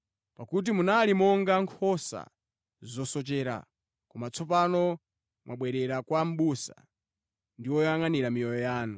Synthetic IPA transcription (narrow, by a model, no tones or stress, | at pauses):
pakut̬imunalimɔŋɡaŋkʰɔsa̰ | zɔsɔt͡ʃɛːɾa̰ | kɔmat͡sʰɔpanɔ | mwʔaɓwɛɾɛɾakwam̩ɓusa̰ | ndiwɔjjaŋaniɾamijɔjɔjaːnu